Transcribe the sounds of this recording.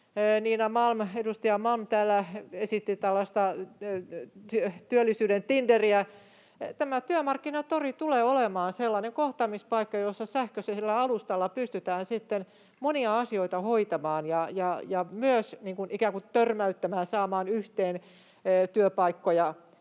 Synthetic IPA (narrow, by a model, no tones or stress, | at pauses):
niːnɑmɑlmedust̪ɑjɑmɑlmt̪æːlːæesit̪ːit̪ælːɑst̪ɑ | t̪yøt̪yølːisyːdent̪inderiæ | t̪æmæt̪yømɑrkːinɑt̪orit̪uleːolemɑːnselːɑneŋkoht̪ɑmispɑikːɑjosːɑsæhkøselːæɑlust̪ɑlːɑpyst̪yt̪æːnsit̪ːen | moniɑɑsioit̪ɑhoit̪ɑmɑːnjɑjɑjɑmyøsniːŋkunikæːŋkut̪ørmæyt̪ːæmæːnsɑːmɑːnyht̪eːnː | t̪yøpɑikːojɑ